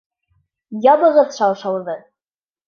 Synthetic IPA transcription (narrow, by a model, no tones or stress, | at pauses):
jɑbɤ̆ʁɤðʃɑwˠʃɑwðɤ